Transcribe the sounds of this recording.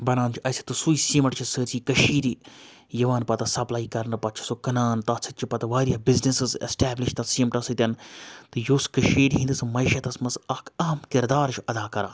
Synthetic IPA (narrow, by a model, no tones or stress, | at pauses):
bɐnaːnt͡ʃʰiʔɐsʲi̥t̪ɨsuisiːmɐʈt͡ʃʰisɨɾt͡ʃiːkɐʃiːɾi | jɐʋaːnpɐt̪ɐsɐplaːikɐɾnɨpɐt͡ʃʰi̥sokɐnaːnt̪ɐt͡sʰɨt̪̚t͡ʃʰipɐt̪ɐʋaːɾʲjabiznisɨzḛsʈɛːblɪʃt̪ɐsiːmʈɐsɨt̪ʲɐnt̪ɨjoːskɐʃiːɾʲiɦĩnd̪ɨsɨmɐʃɐt̪ɐsmɐzɐkʰɐɦɐmkɪɾd̪aːɾt͡ʃʰuʔɐd̪aːkɐɾãː